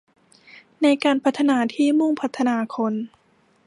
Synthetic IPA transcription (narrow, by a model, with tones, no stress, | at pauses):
na˧jkaː˧npʰa˦˥t̪ʰːa˧naː˧˥t̪ʰiː˥˩mu˥˩ŋpʰa˦˥t̪ʰːa˧naː˧kʰo˧n